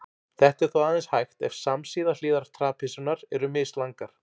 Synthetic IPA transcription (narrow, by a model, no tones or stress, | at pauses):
θɛht̪ɛɾ̥θawaːðɛnshajxt̪ɛfsamsiːðaliːðaɾ̥t̪ʰɾaːpʰɪsʏnaɾɛɾʏmɪslaŋkaɾ̥